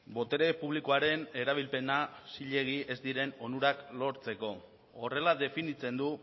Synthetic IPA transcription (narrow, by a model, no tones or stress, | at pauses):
bo̞t̪e̞ɾe̞puβliko̞aɾe̞ne̞ɾaβ̞ilpe̞nasiʎe̞ɣ̞ie̞zd̪iɾe̞no̞nuɾaklo̞ɾt͡se̞ko̞ | ore̞laðe̞finit͡se̞nd̪u